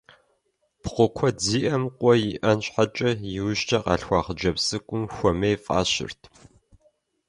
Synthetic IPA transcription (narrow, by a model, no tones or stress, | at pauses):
pχʷʊkʷʰɔd͡ziːʔɐmqʷʼɔjɪʔɐnɕħat͡ʃʼɐjɪwʊʃtʰɐqɑ̰ːɬxʷɑːχəd͡ʒɐpsɨkʷʼʊmxʷɔmejfʼa̰ːɕɪ̰rtʰ